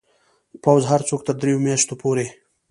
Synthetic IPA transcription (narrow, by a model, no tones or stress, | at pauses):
pawzɦaɾt͡sok̚t̪əɾd̪ɾejomjaʃt̪opoɾe